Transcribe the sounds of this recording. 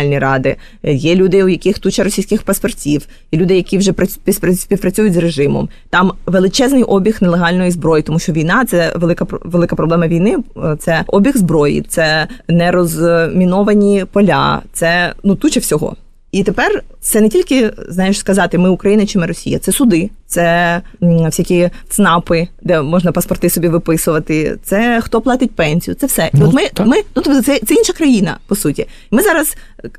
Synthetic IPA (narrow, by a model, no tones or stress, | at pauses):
alʲnʲiɾɑd̪ɪ | jɛlʲud̪ɪʊjɐkʲɪxt̪ut͡ʃɐɾɔsʲijsʲkɪxpɐspɔrtʲiw | ilʲud̪ɪjɐkʲiwʒɛpɾɐpʲisʲpʲiwpɾɐt͡sʲujʊtʲzreʒɪmɔ̰m | t̪ɑmʋelˠɪt͡ʃɛznɪjʔɔbʲixnelˠeɦɑlʲnɔjizbɾɔjit̪ɔmuʃt͡ʃɔʋʲijnɑt̪sɛʋelˠɪkɐpʋelˠɪkɐpɾɔblɛmɐʋʲijnɪt̪sɛʔɔbʲixzbɾɔjḭt̪sɛnɛɾɔzmʲinɔʋɐnʲipɔlʲɑ̰t̪sɛnut̪ut͡ʃɛwsʲɔɦɔ̰ | it̪epɛrt̪sɛnetʲilʲkɪznɑjɪʃskɐzɑt̪ɪmɪʊkɾɐjinɐt͡ʃɪmɪrɔsʲijɐ̰sɛsʊd̪ɪt̪sɛ | fsʲakʲit̪snɑpɪd̪ɛmɔʒnɐpɐspɔrt̪ɪsɔbʲiʋɪpɪsʊʋɐt̪ɪt̪sɛxt̪ɔplˠɑt̪ʲɪt̚ʲpɛnʲsʲijʊ̰tsɛwsɛʔiɔt̪mɪmɪnut̪ɔt̪sɛt̪sɛinʃɐkɾɐjinɐ̰pɔsutʲi | mɪzɑɾɐs